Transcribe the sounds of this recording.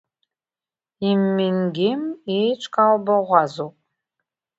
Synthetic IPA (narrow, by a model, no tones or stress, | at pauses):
imːiŋɡʲemet͡ʃʷʰʼkʰʼaːwbɐʁʷɑːzowpʼ